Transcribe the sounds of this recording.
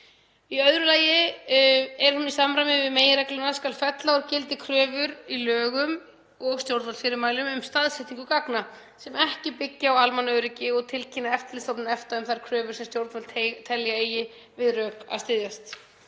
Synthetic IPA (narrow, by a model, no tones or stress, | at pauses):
iœðɾʏlaːjɪ | ɛɾ̥hunːisamɾajmɪvɪðmeːjɪɾɛklanaskalfɛt̪laɔɾcɪlt̪ɪkʰɾœːvʏɾilœːɣʏm | ɔɣst̪jowɾt̪fɔlfɪɾɪɾmaːjlʏmʏmst̪aðsɛht̪iŋkʏkakna | sɛmɛhcɪpɪcːaawalmanœːɥɾɪcɪɔɣt̪ʰɪlcʰinaɛft̪lɪst̪owpnɪnɛft̪aʏmθaɾ̥kʰɾœːvʏ̥sɛmst̪jowɾt̪fɔlʰt̪ʰɛljaejɪ | vɪðrœːka̰ðst̪ɪðjast̪